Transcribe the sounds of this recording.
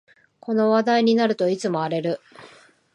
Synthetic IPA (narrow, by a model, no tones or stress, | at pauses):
kʰo̞no̞βad̪aiɲ̟inaɾɯ̟t̪o̞it͡sɨmo̞aɾe̞ɾɯ̟